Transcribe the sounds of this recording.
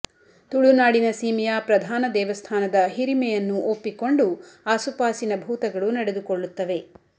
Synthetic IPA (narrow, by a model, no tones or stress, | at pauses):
t̪uɭunaːɽinɐsiːmijapɾɐd̪ʱaːnɐd̪ɛːʋɐst̪ʰaːnɐd̪ɐɦiɾimɛjɐnːuʔopːiko̞ɳɖuaːsupaːsinɐbʱuːt̪ɐɡɐɭunɐɽed̪ukoɭːut̪ːɐʋe̞